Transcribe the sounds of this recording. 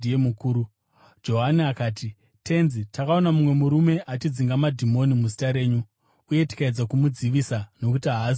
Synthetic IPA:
iemukuːɾu | d͡ʒo̞ɦaniakaːti | tʰe̞nzitakao̞namumwe̞muɾume̞ʔat͡ʃid͡ziŋɡamadʱimo̞nimuzitaɾe̞ːɲu | uje̞ti̥kaed͡zakumud͡ziʋiːsano̞kutiɦaɦ

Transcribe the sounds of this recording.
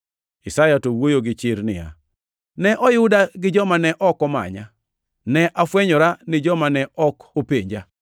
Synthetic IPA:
ɪsajatowojoɡɪt͡ʃɪɾnɪ̰ja̰ | nɛʔɔjʊdaɡɪd͡ʒɔmanɛʔɔkɔma̰ɲa | nɛʔafwɛɲɔɾanɪd͡ʒɔmanɛɔkopeɲd͡ʒa

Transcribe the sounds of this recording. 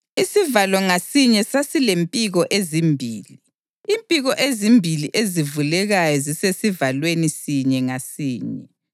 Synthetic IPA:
isivalɔŋasiɲɛsasilempʼiɣɔʔezimbʱiːli | impʼiɣɔʔezimbʱiliʔezivulɛɣajɔzisesivalwenisiɲɛŋasiːɲɛ

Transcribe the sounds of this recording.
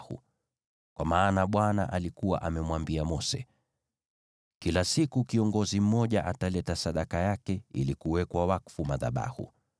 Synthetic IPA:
hṵ | kwʔamaːnaɓwana̰ʔalikuwa̰ʔamɛmwambiamɔsɛ̰ | kilasikukiɔŋɡɔzim̩mɔʄaʔatalɛtasaɗakajakɛḭlikuwɛkwawakfumaða̰ɓa̰hṵ

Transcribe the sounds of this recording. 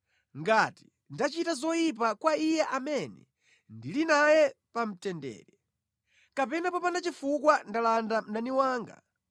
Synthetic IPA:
ŋɡati̥ | ndat͡ʃitazɔjip̬akwaijɛʔamɛnɛ̰ | ndilinajɛpam̩tɛndɛ̰ːɾɛ | kapɛnapɔpanat͡ʃifukwandalandam̩naniwaːŋɡa̰

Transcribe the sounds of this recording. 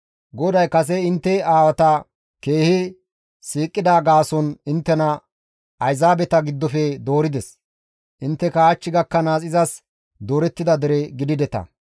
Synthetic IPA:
ɡɔd̪ɐjkɐs̬ɛɪnt̪ːɛaːwɐt̪ɐ | ke̞ːhɪ | siːkʼːɪd̪aːɡaːsɔnɪnt̪ːɛnɐ | ɐjzaːbɛt̪ɐɡɪd̪ːɔfɛd̪oːɾɪd̪ɛs | ʔɪnt̪ːɛkaːt͡ʃːɪɡɐkːɐnaːsʼɪzɐs | d̪oːɾɛt̪ːɪd̪ɐd̪ɛɾɛɡɪd̪ɪd̪ɛt̪ɐ̰

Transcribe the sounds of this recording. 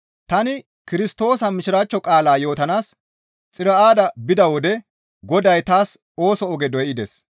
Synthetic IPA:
t̪ɐnɪ | kɪɾɪst̪o̞ːsɐmɪʃɪɾaːt͡ʃːɔkʼaːlaːjo̞ːt̪ɐnaːs | t͡sʼɪɾɐʔaːd̪ɐbɪd̪ɐwɔd̪ɛ | ɡɔd̪ɐjt̪aːs | o̞ːsɔɔɡɛd̪ɔjɪd̪ɛs

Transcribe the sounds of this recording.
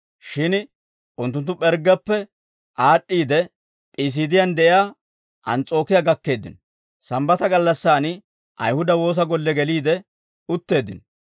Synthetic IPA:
ʃɪn | ʔʊnt̪ːʊnt̪̬ːʊpɛɾɡɐpːɛ | ʔaːɗːiːd̪ɛ | pʼiːs̬iːd̪ɪjand̪ɛʔɪjaː | ʔɐnt͡sʼo̞ːkɪjaːɡɐkːe̞ːd̪ɪ̰nɔ | sɐmbɐt̪ɐɡɐlːɐsːaːn | ʔɐ̰jhʊd̪ɐwo̞ːs̬ɐɡɔlːɛɡɛliːd̪ɛ | ʊt̪ːe̞ːd̪ːɪ̰nɔ

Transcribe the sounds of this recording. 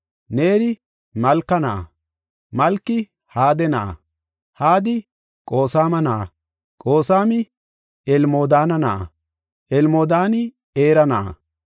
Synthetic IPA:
neːɾɪ | mɐlkːɐna̰ː | mɐlkːɪ | haːd̪ɛna̰ː | haːd̪ɪ | kʼo̞ːsaːmɐnaː | kʼo̞ːsaːmɪ | ɛlmoːd̪aːnɐna̰ː | ʔɛlmoːd̪aːnɪ | eːɾɐna̰ː

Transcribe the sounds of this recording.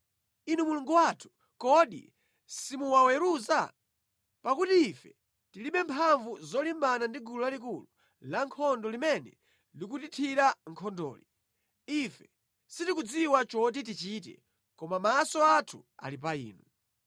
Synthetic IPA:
inumuluŋɡuwatʰu̥ | kɔɗḭ | simuwawɛɾuza | pakutiːfɛ | tiliɓɛmpʰaɱvuzɔlimbanandiɡulɔlalik̬ulu | laŋkʰɔndɔlimɛnɛ | lik̬utitʰiɾaŋkʰɔndɔ̰ːli | ifɛ | sitikud͡ziwat͡ʃɔt̬it̬it͡ʃiːt̬ɛ̰ | kɔmamasɔatʰua̰lip̬aḭːnu

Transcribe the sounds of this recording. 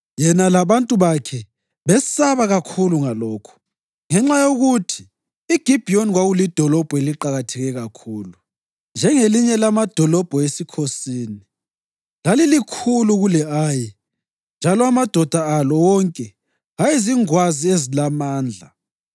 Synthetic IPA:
jɛnalaβantʼuβakʰɛ | βɛsaβaɣakʰuluŋalɔːkʰɔ̥ | ŋɛŋ͡ǁajoɣutʰi̥ː | ɡ̥ʱib̥ʱionɣwaɣulid̥ʱɔlɔb̥ʱɔeliǃaɣatʰɛɣɛɣakʰuːlu | nd͡ʒʱɛŋeliɲɛlamad̥ʱɔlɔb̥ʱɔesikʰosiːni | lalilikʰuluɣulɛaːji | nd͡ʒʱalɔamad̥ʱɔd̥ʱaalɔwɔŋkʼɛ | ɣajiziŋwaziezilamaːnd͡ɮʱa

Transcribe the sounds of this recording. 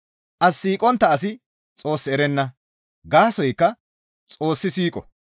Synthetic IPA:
ʔɐsːiːkʼɔnt̪ːɐɐs̬ɪ | t͡sʼo̞ːsːɪɛɾɛnːɐ | ɡaːsɔjkːɐ | t͡sʼo̞ːsːɪsiːkʼɔ

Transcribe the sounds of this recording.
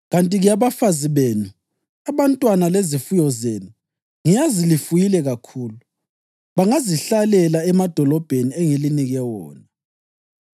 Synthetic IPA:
ɣantʼiɣijaβafaziβenu | aβantʼwanalezifujɔzeːnu | ŋijazilifujilɛɣakʰuːlu | βaŋaziɬalɛlaɛmad̥ʱɔlɔb̥ʱenieŋiliniɣɛwɔːna

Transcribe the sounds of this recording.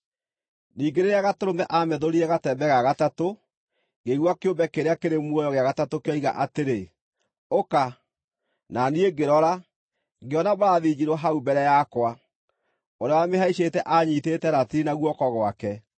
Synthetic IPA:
niːŋɡeɾeɾeaɣatoɾomɛʔamɛðoɾiɛɣatɛbɛɣaɣatato | ɡeɣwakeombɛkeɾeakeɾemwɔjɔɣeaɣatatokeɔiɣa̰ʔateɾe | oka | nanieɡeɾɔɾa | ŋɡeɔnabaaðiːd͡ʑiɾɔɦaubɛɾɛjakwa | oɾeawameɦaiɕetɛʔaɲiːtetɛnatiinaɣwɔkɔɣowakɛ

